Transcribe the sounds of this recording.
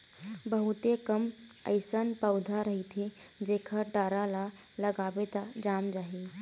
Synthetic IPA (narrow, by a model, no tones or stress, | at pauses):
bəɦut̪ekəmə̰jsənpəwd̪ʱaɾəɦit̪ʰed͡ʒekʰaʈaːɾala | ləɡaːbet̪ad͡ʒaːmd͡ʒaːɦe